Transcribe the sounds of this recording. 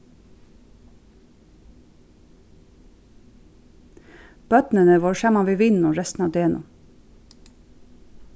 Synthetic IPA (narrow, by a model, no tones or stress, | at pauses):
b̥œt̪nənəʋoːʃæmɑʋiːʋɪnʊɹɛst̪n̩ɑːʋd̪eːɛnṵː